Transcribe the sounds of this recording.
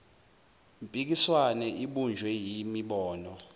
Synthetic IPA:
mpʼik̬iswanɛʔiɓund͡ʒʱwɛjimiɓɔːnɔ

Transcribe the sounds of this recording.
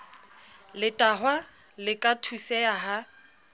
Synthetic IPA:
lɪtʼaɦwa | lɪkʼatʰusɛaɦa

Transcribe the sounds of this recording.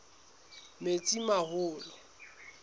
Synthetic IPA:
met͡sʼimahʊːlɪ

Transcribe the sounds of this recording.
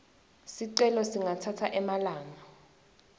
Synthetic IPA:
siǀɛlɔsiŋatʰatʰaʔɛmalaːŋa

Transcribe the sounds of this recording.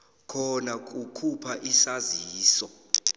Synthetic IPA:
kʰɔnak̬ʼukʰupʰaʔisaziːsɔ

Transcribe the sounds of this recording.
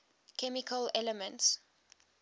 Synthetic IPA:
kʰɛmikʰəlɛləmə̃nts

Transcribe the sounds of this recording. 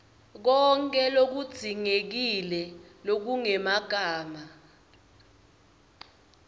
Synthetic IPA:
k̬ɔŋkʼɛlok̬ud̥z̥ʱiŋek̬ilɛ | lok̬uŋɛmaɡ̥ʱaːma

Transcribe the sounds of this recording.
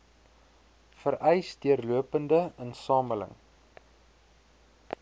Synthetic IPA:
fəɾɛjsdiərluəpəndəənsɑːmələ̰ŋ

